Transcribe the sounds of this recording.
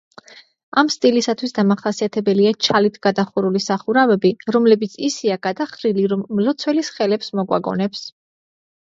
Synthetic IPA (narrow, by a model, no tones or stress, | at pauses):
amst̪ʼilisat̪ʰwisd̪amaχasiat̪ʰɛbɛliat͡ʃʰalit̪ʰɡ̥ad̪aχuɾulisaχuɾavɛbiɾɔmlɛbit̪sʰisiaɡ̥ad̪aχɾiliɾɔmːlɔt̪sʰwɛlisχɛlɛpsmɔɡwa̰ɡɔ̰nɛps